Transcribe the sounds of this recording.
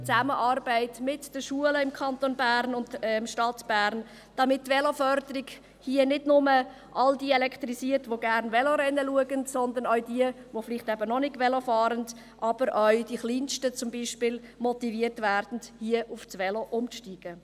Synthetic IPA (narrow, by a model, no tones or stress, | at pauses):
t͡sæməʔɑːɾbæɪtmɪtd̥əʃuələɪmkʰɑntonbæːɾnʊndɛmʃtɑtb̥æːɾn | d̥ɑmɪtːʋɛlofœɾdəɾiɡ | hiənɪdnʊmə | ʔɑldiɛlɛkt̪ɾisiətʋoɡæɾnʋɛloɾɛnːəluəɡəntsɔnd̪ənœɥdiə | ʋoflɪχtɛbənɔnɪɡʋɛlofɑːɾənd | ʔɑb̥əɾʔœɥd̥iχliːnʃtət͡sʊmbiːʃpɪlmɔtiviəɾtvæːɾd̥n̩dhiəʔʊfsʋɛloʔʊmʃtiːɡ̥ə